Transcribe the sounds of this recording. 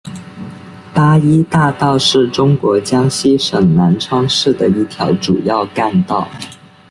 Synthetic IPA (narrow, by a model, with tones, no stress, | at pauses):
pa˥i˥t̪a˥˧t̪ɑ˥˧ʊʂɻ̩˥˩ʈ͡ʂʊ˥ŋkwɔ˧˥t͡ɕjɑ˥ŋɕi˥ʂɤ˨˩ŋna˧˥nʈ͡ʂʰwɑ˥ŋʂɻ̩˥˩d̪ə˩i˥˩t̪ʰjɑ˧˥ʊʈ͡ʂu˨˩jɑ˥˧ʊka˥˧nt̪ɑ˥˩ʊ